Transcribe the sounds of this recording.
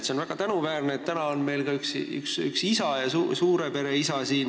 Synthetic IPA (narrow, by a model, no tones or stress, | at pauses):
t̪se̞o̞nvæɡ̥ɑt̪ænuvæːrneːt̪t̪ːænɑonme̞jlɡɑyksy̰ksyksisɑjɑsusuːɾe̞pe̞ɾe̞isɑsiːn